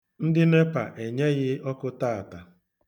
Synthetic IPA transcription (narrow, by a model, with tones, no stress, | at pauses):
n̩˦dɪ˦ne˦pa̰˨ʔe˨ɲe˦ɣɪ˦ɔ˦kʊ˦taː˦˨a˨ta˨